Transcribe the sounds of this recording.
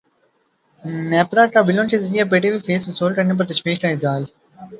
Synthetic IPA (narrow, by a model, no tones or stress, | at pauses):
nɛːpɾaːʈaːbɪlõnt͡ʃezɐɾijap̬eːʈeʋifʰeːsmɐsoːlkɐɾnep̬ɐɾt̪ɐʃʋiːqkaɪzaːl